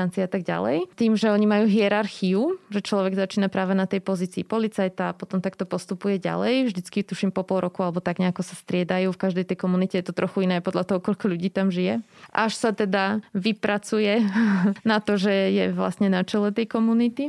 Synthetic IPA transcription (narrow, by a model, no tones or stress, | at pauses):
ant͡siɛat̪aɡɟa̰lɛ̰jt̪iːmʒɛɔɲimajuːɦiɛɾaɾxiuʒɛt͡ʃlɔʋɛɡzat͡ʃiːnapɾaːʋɛnat̪ɛjpɔziːt͡siːpɔlit͡sajt̪aːpɔt̪ɔmt̪akt̪ɔpɔst̪upujɛɟa̰lɛjvʒd̪it͡skit̪uʃimpɔpɔlˠɾɔkualɛbɔt̪aɡɲɛakɔsast̪ɾɪɛd̪ajuːfkaʒd̪ɛjt̪ɛjkɔmunicɛjɛt̪ɔt̪ɾɔxuinɛːajpɔd̪ʎat̪ɔɦɔkɔʎkɔʎuɟiːt̪amʒijɛ | ʔaʃsat̪ɛd̪aʋipɾat͡sujɛnat̪ɔʒɛjɛʋla̰sɲɛnat͡ʃɛlɛt̪ɛjkɔmunit̪i